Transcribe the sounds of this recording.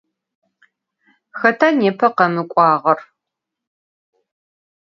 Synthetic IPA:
xɐtʰaːneːpʰɐqɐmɨkʷʼɑːʁɐr

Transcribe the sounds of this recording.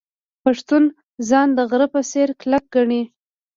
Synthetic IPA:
paʂt̪un | zɑnd̪əɣɾəpəseɾklak̚ɡaɳi

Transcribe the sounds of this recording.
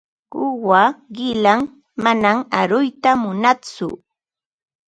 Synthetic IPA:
ʊwaɢɪlaŋ | manamaɾʊjt̪amʊnat͡sʊ̰

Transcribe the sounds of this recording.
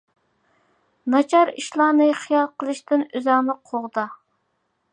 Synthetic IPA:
nɑt͡ʃʰɑɾḭʃlˠɑːnɨχijɑlˠqəlˠɨʃt̪ɪnøzɑŋnɨqʰoʁd̪ɑ

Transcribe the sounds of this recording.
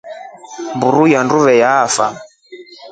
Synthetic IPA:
mbuɾujanduβɛjaːfa

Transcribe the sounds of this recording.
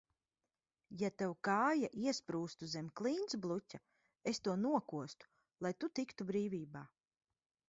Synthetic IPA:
jat̪awkaːjaʔiɛspɾuːst̪uzemʲklˠiːnsblˠutʲa | est̪uɔnuɔkuɔst̪u̥ | lˠajt̪ut̪ikt̪ubɾiːvʲiːbaː

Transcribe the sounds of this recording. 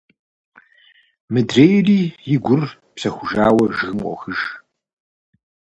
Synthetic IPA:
mɨdreːjriːjɪɡʷʊr | psɐxʷʊʒaːwɐʒɨɣɨmqʷʼɔ̰xɨʒ

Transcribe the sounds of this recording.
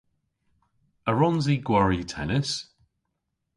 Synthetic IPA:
əɹɔnziɡwaɹitʰɛ̰nɪs

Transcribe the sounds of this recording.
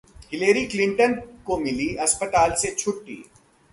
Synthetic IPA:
hɪleːɾiklɪ̃ɳʈənkomɪliɐspət̪aːlset͡ʃʰʊʈːḭː

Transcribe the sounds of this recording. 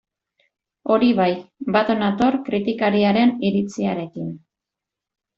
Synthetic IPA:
o̞ɾiβajbat̪onat̪o̞ɾkɾit̪ikaɾiaɾe̞niɾit͡siaɾe̞kin

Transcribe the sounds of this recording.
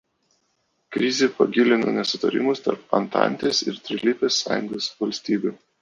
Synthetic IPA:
kɾʲɪzʲepɐɡʲɪlʲɪno̰nʲɛsʲʊt̪ɐɾʲɪ̰mʊst̪ɐ̰ɾpɐ̰nt̪ɑ̰nʲt̪ʲeːsɪ̰ɾt̪ʲɾʲɪlʲiːpʲeːsːɑ̰ːjʊŋɡoːsʋɐlʲsʲt̪ʲiːbʲʊ

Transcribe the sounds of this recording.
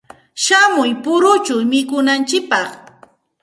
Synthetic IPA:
ʃamʊjpʊɾʊt͡ʃʊmɪkʊnant͡ʃɪk̚pɑχ

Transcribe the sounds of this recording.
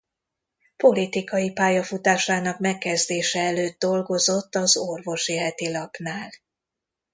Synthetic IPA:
po̞lit̪ikɒjipaːjɒfut̪aːʃaːnɒkmɛkːɛzd̪eːʃɛɛløːd̪̚d̪o̞lɡo̞zo̞t̪ːɒzo̞rvo̞ʃiɦɛt̪ilɒpnaːl

